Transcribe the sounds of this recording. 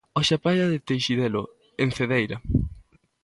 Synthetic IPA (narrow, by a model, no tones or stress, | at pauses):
oʃapajaðɪt̪ejʃiðelo | en̟θeðejɾa